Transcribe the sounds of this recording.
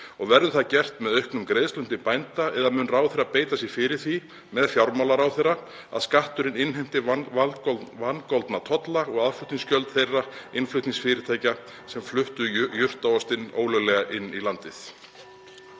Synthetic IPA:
ɔɣvɛɾðʏθaðcɛr̥t̪mɛðœɥhknʏmkɾejðslʏn̥t̪ɪmpajnt̪aɛðamʏnraːwθejrːapeːjt̪asjɛɣfɪɾɪɾ̥θi | mɛðfjawɾmawlaɾawθejra | a̰ðskaht̪ʏɾɪnɪnɦejm̥t̪ɪ | vankɔlt̪nat̪ʰɔt̪laɔɣaðflʏht̪niŋscœlt̪θejrːaɪnflʏht̪niŋsfɪːɾɪt̪ʰaːjca | sɛmflʏht̪ʏjʏr̥t̪awɔst̪ɪno̰ːwlœɣlɛɣaʔɪnːilant̪ɪθ

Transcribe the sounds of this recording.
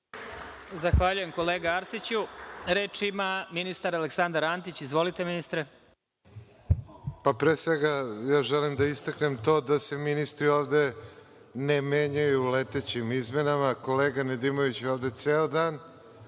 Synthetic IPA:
zaxʋaːʎuje̞mko̞leːɡaaɾsit͡ɕuɾeːt͡ʂimaminist̪aɾaleksand̪aɾant̪it͡ɕizʋo̞lit̪eminist̪ɾe | papɾeːsʋeɡajaːʒelimd̪aist̪aknemt̪o̞ːd̪ase̞minist̪ɾioːʋd̪e̞ | nemeɲajulet̪et͡ɕimizmenamako̞leːɡaned̪imoʋit͡ɕjeoːʋd̪e̞t̪seːod̪aːn

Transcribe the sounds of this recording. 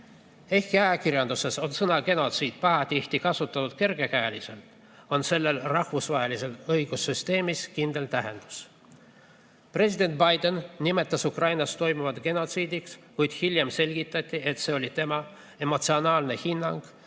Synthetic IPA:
e̞hkiɑjɑkirjɑnd̪use̞so̞nsɤnɑɡe̞no̞t̪siːd̪̥̚pɑɦɑt̪iht̪ikɑsut̪ːˑɑnut̪ke̞rɡe̞kæːlʲise̞lt̪ | o̞nse̞lːe̞lrɑhvusvɑɦelise̞lɤjɡ̥usːyst̪e̞ːmiskind̪e̞lt̪æɦe̞̰nd̪̥u̥s | pre̞sʲid̪̥e̞nt̪̚bɑjd̪e̞nːʲime̞t̪ːˑɑsukrɑjnɑst̪o̞jmuvɑt̪ɡ̥e̞no̞t̪siːd̪ikskujd̪̥hilʲje̞mse̞lʲɡ̥it̪ːˑɑt̪ʲːˑie̞t̪se̞o̞lʲit̪e̞mɑ | e̞mo̞t̪sio̞nɑːlnehinːɑŋɡ̥

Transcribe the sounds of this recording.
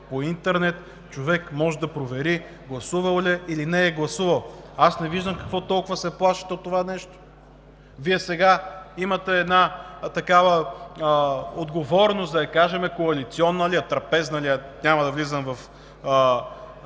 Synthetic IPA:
point̪ɛɾnɛt̪ | t͡ʃovɛkmɔʒɛd̪ɐpɾovɛɾi | ɡlˠɐsuvɐlˠlʲɛilinɛːɡlˠɐsuvɐlˠasnɛviʒd̪əmkɐ̥kvɔt̪ɔlˠkʊvəsɛplˠaʃi̥t̪ɛot̪ːovanɛʃt̪o̥ | viɛsɛɡaimɐt̪ɛːd̪nat̪ɐkavə | od̪ɡovɔɾnosd̪ɐɐkaʒɛmɛkoɐlit̪siɔnːəliɐt̪ɾɐpɛznɐliɐnʲamɐd̪ɐvlizəmvɐf

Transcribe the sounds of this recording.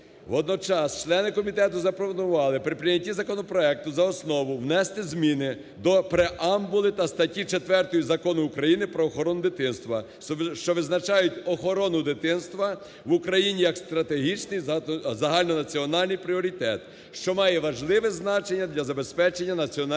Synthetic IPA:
ʋɔd̪̚nɔt͡ʃɑst͡ʃlˠɛnɪkɔmʲit̪ɛt̪ʊzɐpɾɔʋɔnʊʋɑlˠɪpɾɪpɾɪnʲɐtʲizɐkɔnɔpɾɔɛk̚t̪ʊzɐɔsnɔʋʊʋnɛst̪ɪzmʲinɪ | d̪ɔpɾeʔɑmbʊlˠɪt̪ɐst̪ɐtʲit͡ʃet̪ʋɛrt̪ɔjizɐkɔnʊːkɾɐjinɪpɾɔːxɔɾɔnʊd̪ɪt̪ɪnst̪ʋɐ | ʃt͡ʃɔʋɪznɐt͡ʃɑjʊtʲɔxɔɾɔnʊd̪ɪt̪ɪnst̪ʋɐ | ʋukɾɐjinʲijɐkst̪ɾɐt̪eɦit͡ʃnɪjzɐɦɑlʲnɔnɐt͡sʲiɔnɑlʲnɨjpɾʲɪɔɾʲit̪ɛt̪ | ʃt͡ʃɔmɑjɛʋɐʒlˠɪʋɛznɑt͡ʃenʲːɐd̪lʲɐzɐbe̞spɛt͡ʃe̞nʲːɐnɐt͡sʲiɔn

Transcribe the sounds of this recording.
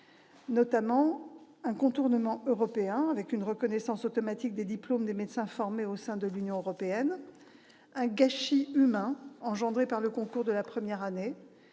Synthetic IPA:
nɔt̪amɑ̃ | ɛ̃kɔ̃t̪uʁnəmɑ̃ʔøʁɔpeɛ̃avɛkynʁəkɔnɛsɑ̃sot̪ɔmat̪ik̚d̪ed̪iplomd̪emet̪sɛ̃fɔʁmeosɛ̃d̪əlynjɔ̃øʁɔpeɛn | ɛ̃ɡaʃiymɛ̃ɑ̃ʒɑ̃d̪ʁepaʁləkɔ̃kuʁd̪əlapχəmjɛʁane

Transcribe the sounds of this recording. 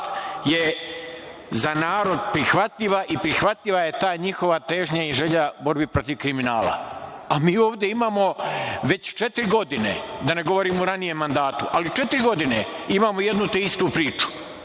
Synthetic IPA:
je̞ | zanaːɾo̞d̪pɾixʋat̪ʎiʋaʔipɾixʋat̪ʎiʋaje̞t̪aːɲixo̞ʋat̪e̞ːʒɲaiʒe̞ʎabo̞ɾbipɾo̞t̪iʋkɾiminaːla̰amiːo̞ːʋd̪je̞imaːmo̞ʋe̞t͡ɕt͡ʃe̞t̪ɾɡo̞d̪ine̞̰d̪ane̞ɡo̞ʋo̞ɾiːmouɾanije̞mːand̪aːt̪uʔalit͡ʃe̞t̪ɾɡo̞d̪ine̞imaːmoje̞d̪nut̪eist̪upɾiːt͡ʃu̥

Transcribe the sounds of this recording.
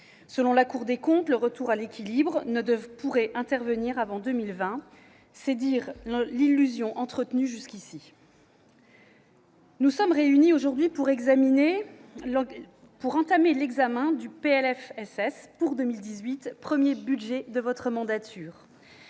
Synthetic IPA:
səlɔ̃lakuʁd̪ekɔ̃t̪ləʁət̪uʁalekʲilibʁnəd̪əvpuʁɛʔɛ̃t̪ɛʁvəniʁavɑ̃d̪əmilvɛ̃ | sɛd̪iʁlilːyzjɔ̃ʔɑ̃t̪χət̪nyʒyskʲisi | nusɔmʁeynioʒuʁd̪ɥipuʁɛɡzamine | puʁɑ̃t̪amelɛɡzamɛ̃d̪ypeɛlɛfɛsɛspuʁd̪əmild̪izɥit̪pχəmjebydʒɛd̪əvɔt̪χəmɑ̃d̪at̪ʰyːʁ

